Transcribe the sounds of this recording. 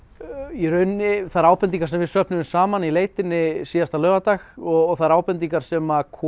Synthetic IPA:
iɾœɥnːɪθaðɾaːwpɛnt̪iŋkḁɾsɛmvɪsœhpnʏʏmsaːmanileːjt̪ɪnːɪsiːjast̪alœːvat̪axɔɣɣθaðɾaːwpɛnt̪iŋkaɾ̥sɛmakʰː

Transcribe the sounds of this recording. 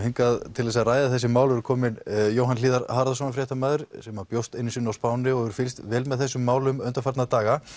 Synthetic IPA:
heŋkaðt̪ʰɪlθɛs̬aðraːjðaθɛs̬ɪmaːwlɾʏɾkʰɔːmɪnjowɦanliːðaɾhaɾðas̬ɔnafɾjɛːht̪ʰamaːðʏɾ̥sɛmapjowst̪ɪnːisiːnawspaːwnɪɔɣʏɾ̥fɪlst̪vɛːlmɛðθɛsːʏmːaːwlʏmœnt̪afaɾt̪nat̪aːɣa

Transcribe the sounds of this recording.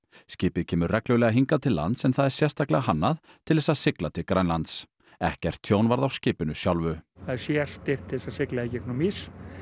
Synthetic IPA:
scɪːpɪðcʰɛːmʏɾrɛklœlɛɣaɦiŋkat̪ʰɪlːa̰nt̪sɛnθaðɛɾ̥sjɛr̥st̪aklɛɣahanːað | t̪ʰɪlðɛsaðsɪklat̪ʰɪkɾajnlant̪s | ɛ̰hcɛr̥t̪ʰjoːwnvaɾðawscɪːpʏnʏsjawlvʏθaðɛɾsjɛɾ̥st̪ɪr̥t̪ʰːɪðɛsasɪklaɪcɛknumis

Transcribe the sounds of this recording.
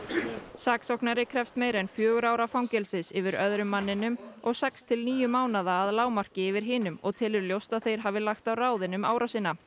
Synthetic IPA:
saːksɔhknaɾɪkʰɾɛfst̪meːjɾɛjnfjœːɣʏɾaːwɾafawŋcɛlsɪsɪvɪɾœðɾʏmːanːɪnʏmɔɣsɛkst̪ʰɪlniːjʏmaːwnaðaːðlaːwmar̥cɪɪvɪɾ̥ɦɪːnʏmɔ̰ɣt̪ʰɪlɪɾljowst̪aðθejɾ̥ɦaːvɪlaxt̪awraːwðɪnʏma̰ːwɾʔasɪːnːa

